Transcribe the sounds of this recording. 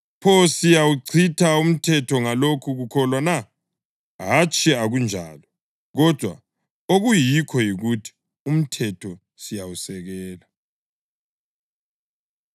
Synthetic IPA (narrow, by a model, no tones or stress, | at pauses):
pʰɔsijawuǀʰitʰaum̩tʰɛtʰɔŋalokʰuɣukʰɔlwana | ɦat͡ʃʰʼiaɣund͡ʒʱa̰ːlɔ | ɣɔd̥ʱwa̰ | oɣujikʰɔjiɣutʰi̥ | um̩tʰɛtʰɔ | sijawusɛɣɛːla